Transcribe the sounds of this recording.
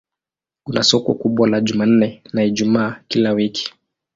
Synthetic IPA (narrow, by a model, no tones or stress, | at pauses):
kunasɔkɔ̰kuɓwalaʄuman̩nɛnaiʄumaːkilawiki̥